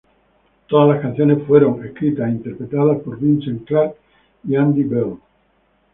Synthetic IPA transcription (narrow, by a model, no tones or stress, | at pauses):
t̪oðazlaskanθjo̞ne̞sfwe̞ɾo̞ŋeskɾit̪asint̪e̞ɾpɾet̪að̞aspo̞ɾβint͡ʃeŋklaɾk | iand̪ibel